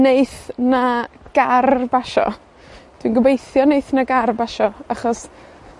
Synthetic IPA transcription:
nejθnaɡ̥arbaʃɔ̰ | d̥winɡəbejθjɔnejθnaɡarbaʃɔaχɔs

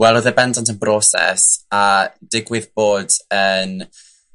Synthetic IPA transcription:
wɛlˠoðɛbɛndantʰənbrɔsɛ̰sad̥ɪɡwɪðb̥oːdən

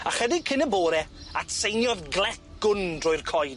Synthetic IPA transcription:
aχədɪɡ̚kʰɪnəboːɾɛatsejnjɔðɡlˠɛtɡ̥ʊndrʊːjrkʰɔj

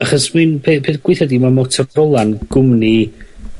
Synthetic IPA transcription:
aχɔsmɨnpʰeːpʰeθɡwɪθɔdimamɔtʰɔrɔlˠanɡ̥ʊmni

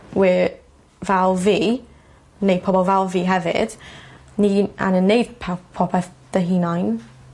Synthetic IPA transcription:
wi | vɛlˠviː | nejd̚pʰɔbɔlˠvɛlˠviːɦɛvɪ̰d̥niːa̰nənːejd̥pʰapʰɔpʰɛd̥əɦiːnajn

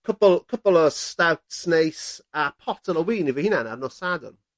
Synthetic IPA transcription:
kʰʊpəlˠkʰʊpəlˠəstawtsnejsapʰɔtʰələwiːnivəhinana̰d̚nɔsadə̰n

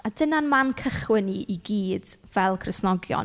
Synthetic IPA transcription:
adənanmankʰəχwɪniʔiɡiːd̥vɛlˠkʰrəsnɔɡjɔ̰n

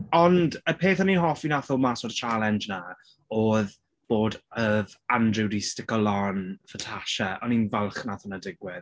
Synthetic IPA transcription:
ɔndəpʰeːθɔninɦɔfinaθʊmasɔdət͡ʃʰalˠɛnd͡ʒna | oːð | b̥oːdəðandrɪwdistɪkɔlanfətʰaʃəʔɔninvalˠχnaθʊnadɪɡwɪð

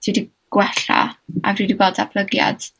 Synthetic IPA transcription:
d̥ʰidi | ɡ̥wɛɬa̰avriːdiboːdapʰlˠəɡja̰d̥

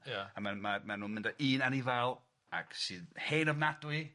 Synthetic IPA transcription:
jaamamamanuːnmɪndaʔiːnanivalˠ | a̰ksiheːnɔvnadwi

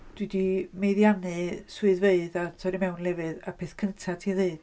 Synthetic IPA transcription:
d̥widimejðjanɨsuɨðveɨðatʰɔɾimɛwnlˠɛvɨðapʰeθkʰəntʰatʰiaðeɨð̥

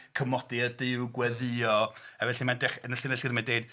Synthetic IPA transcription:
kʰəmɔd̥ɪədɪwɡwɛðɨɔavɛɬimandɛχənəɬɪnəɬɪrmandeːd̥

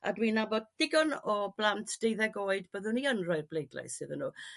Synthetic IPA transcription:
a̰dwinabɔd̚d̥ɪɡɔnɔb̥lˠantʰd̥ejðɛɡoːɨdbəðʊniənrɔɨrblejdla̰jsɨðənṵː

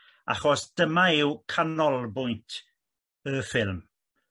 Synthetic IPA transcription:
a̰χɔsd̥əmaɪwkʰanɔlˠbʊjntʰ | əfɪlˠm

